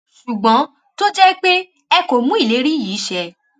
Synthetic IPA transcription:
ʃu˨ɡ͡bɔ̃˨˦ | to˦d͡ʒɛ˦k͡pe˦ | ɛ˧ko˨mũ˦i˦˨le˨˦ɾi˦jiː˨˦ʃɛ˦

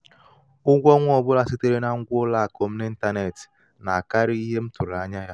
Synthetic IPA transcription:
ʊ˦ɡʷɔ˦ŋʷ˦ɔ˨bʊ˦la˦si˦te˦ɾe˦na˦ŋ̩˦ɡʷla˦˨ko˨m̩˦ne˦n̩˦ta˦ne˨ti̥˨ | na˨a˨ka˦ɾi˦i˦ɦe˦m̩˦tʊ˨ɾa˦ɲa˦ja˦

